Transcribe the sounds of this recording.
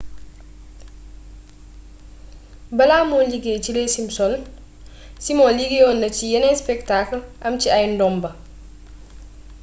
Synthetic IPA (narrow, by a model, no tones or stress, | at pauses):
bɐlaːmɔliɡet͡ʃilesimsɔln | simɔliɡejɔːnːɐcijɐnɛspɛktakəlʔɐmt͡ʃiɐjndɔmbɐ